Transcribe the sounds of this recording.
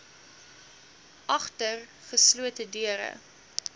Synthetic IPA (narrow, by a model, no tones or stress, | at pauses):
ʔɐχtər | χəsluətədyəɾə̰